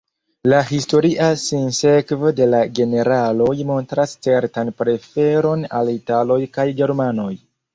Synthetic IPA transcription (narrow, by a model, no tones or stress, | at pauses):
laɦisto̞ɾiʔasinse̞kvode̞laɡe̞ne̞ɾalo̞jmo̞ntɾast͡se̞ɾtanpɾe̞fe̞ɾo̞na̰litalo̞jkajɡe̞ɾmano̞j